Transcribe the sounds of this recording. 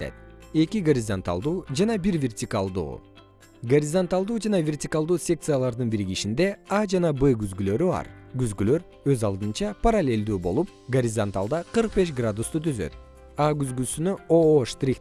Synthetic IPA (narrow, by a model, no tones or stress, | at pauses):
ḛt̪̚e̞kiɡoɾʲɪzont̪a̰lˠd̪uːd͡ʒɑnɑbiɾvʲe̞rtʲɪkalˠd̪ṵː | ɡoɾʲɪzont̪alˠd̪uːd͡ʒɑnɑvʲe̞rtʲikalˠd̪uːsʲe̞k̚t̪sɨjalˠɑɾd̪ɯnbiɾiɡiʃind̪e̞ɑd͡ʒɑnɑbɨɡyzɡylø̞ɾybɑ̰ɾɡyzɡylø̞ɾ | ø̞zɑlˠd̪ɯnt͡ʃɑpaɾalʲe̞lʲd̪uːbo̞lˠup̚ɡoɾʲizont̪alˠd̪ɑqʰɯɾq̚be̞ʃ̬ɡrad̪ust̪ut̪ʰyzø̰t̪̚ | ɑɡyzɡysynyoʃt̪rʲik